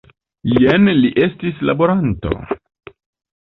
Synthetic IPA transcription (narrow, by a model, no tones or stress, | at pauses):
jenliʔe̞stisla̰bo̞ɾanto̞̰